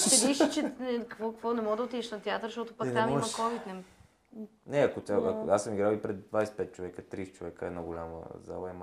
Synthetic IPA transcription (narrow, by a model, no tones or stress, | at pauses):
t̪ɛiʃit͡ʃɛnɛkkvɔkkvɔnɛmɔɡd̪əot̪id̪ɛʃnɐt̪ɛat̪əɾʃt̪ɔt̪ʊpak̪ɛnɛmɔmɐkovit̪nɛm | nɛɐkot̪ʲaaasːəmiɡɾawipɾɛd̪d̪vajsɛ̥pɛt̪̚t͡ʃovɛkət̪ɾist̪t͡ʃovɛkəɛdnaɡolʲamə̰za̰lˠəɛm